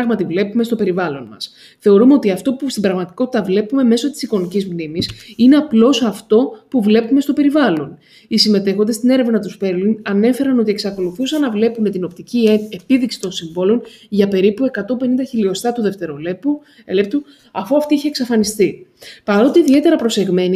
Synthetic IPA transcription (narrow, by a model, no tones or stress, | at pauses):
ɐɣmɐt̪ivle̞pume̞st̪o̞pe̞ɾivɐlo̞nmɐ̰s | θe̞o̞ɾumeo̞t̪iɐft̪o̞pust̪ibɾɐɣmɐt̪iko̞t̪i̥t̪ɐvle̞pume̞me̞so̞t̪i̥siko̞nicizmnimisine̞ɐplo̞sɐft̪o̞puvle̞pume̞st̪o̞pe̞ɾivɐlo̞n | isime̞t̪e̞xo̞nd̪est̪ine̞ɾe̞vnɐnɐt̪uspe̞ɾlunɐne̞fe̞ɾɐno̞t̪̬ie̞ksɐko̞luθusɐnɐvle̞pume̞t̪ino̞pt̪iciepiðiksi̥t̪o̞nsiɱvo̞lo̞nʝɐpe̞ɾipue̞kɐt̪ompe̞nind̪ɐçilio̞st̪ɐt̪uðe̞ft̪e̞ɾo̞lepu | lept̪u | ɐfuɐft̪iiçeksɐfɐnist̪ipɐɾo̞t̪eiðie̞t̪e̞ɾɐpɾo̞se̞ɣme̞ni